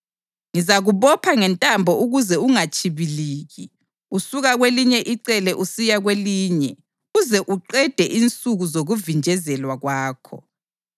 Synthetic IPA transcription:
ŋizaɣuβɔpʰaŋɛntʼambʱɔuɣuzɛuŋat͡ʃʼʰiβiliːɣi | usuɣaɣweliɲɛʔiǀɛlɛʔusijaɣweliːɲɛ | uzɛʔuǃɛd̥ʱɛʔint͡sʼuɣuzoɣuvind͡ʒʱɛzɛlwaɣwaːkʰɔ̰

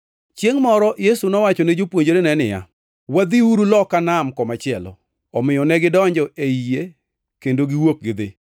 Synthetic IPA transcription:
t͡ʃjeŋmɔɾɔjesunɔwat͡ʃɔned͡ʒopwoɲd͡ʒoɾenɛnɪja̰ | wad̪iuɾulɔkanamkɔmat͡ʃɪɛlɔ̰ | ɔmɪjɔnɛɡɪdɔɲd͡ʒɔʔeije | kendoɡɪwok̚ɡɪd̪ɪ

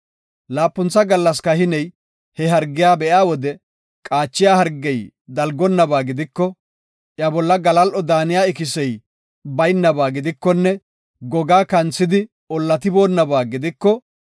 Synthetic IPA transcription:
laːpːʊnt͡sːɐɡɐlːɐs̬kɐhɪnɛj | hɛɦɐɾɡɪjaːbɛʔaːwɔd̪ɛ | kʼaːt͡ʃːɪjaːhɐɾɡːɛj | d̪ɐlɡɔnːɐbaːɡɪd̪ɪkːɔ | ʔjɐbɔlːɐɡɐlɐlʔɔd̪aːnɪjaːɪkɪsɛj | bɐjnːɐbaːɡɪd̪ɪkːɔnːɛ | ɡɔɡaːkɐnt͡sːɪd̪ɪ | ɔlːɐt̪ɪbo̞ːnːɐbaːɡɪd̪ɪkːɔ

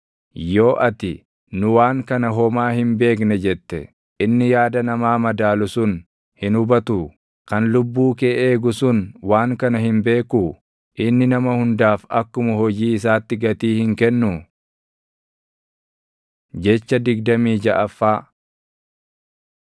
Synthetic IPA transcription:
jo̞ːʔɐt̪ɪ | nʊwaːŋkɐnɐɦɔmaːhɪmbe̞ːknɛd͡ʒɛt̪ːɛ̰ | ɪnːɪjaːd̪ɐnɐmaːmɐd̪aːlʊsʊn | hɪnʊbɐt̪uː | kɐnlʊbːuːkeːʔeːɡʊsʊnwaːŋkɐnɐhɪmbe̞ːkuː | ʔɪnːɪnɐmɐhʊnd̪aːfɐkːʊmʊhɔd͡ʒiːɪs̬aːt̪ːɪɡɐt̪iːhɪŋkɛnːʊ | d͡ʒɛt͡ʃːɐd̪ɪɡd̪ɐmiːd͡ʒɐʔɐfːaː

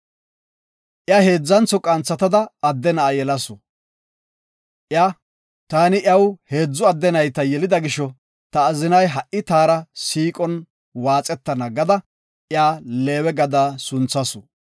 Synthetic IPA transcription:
ʔjaːhe̞ːd͡zːɐnt͡sɔkʼɐnt͡sːɐt̪ɐd̪ɐːd̪ːɛnɐajɛlɐsɔ | ʔjaː | t̪aːnɪʔjɐwhe̞ːd͡zːʊɐd̪ːɛnɐjt̪ɐjɛlɪd̪ɐɡɪʃːɔ | t̪ɐːzɪnɐjɦɐʔʔɪt̪aːɾɐsiːkʼɔn | waːt͡sʼɛt̪ːɐnɐɡɐd̪ɐ | ʔjaːle̞ːwɛɡɐd̪aːsʊnt͡sːɐsɔ

